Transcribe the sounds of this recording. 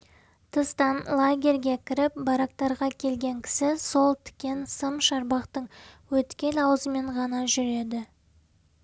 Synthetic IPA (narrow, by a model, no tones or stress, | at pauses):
t̪ʰəst̪ɑnlˠaɡʲe̞ɾɡʲe̞kʲʰɪɾɪp̚bɑɾɑk̚t̪ɑɾʁɑkʲʰe̞lɡʲe̞ŋkʲʰɪ̥sɪso̞lˠt̪ʰɪ̥kʲe̞nsəmʃɑɾbɑqt̪əɴwɵt̪kʲe̞nɑwəzəme̞ɴʁɑnɑʒʏɾe̞d̪ɪ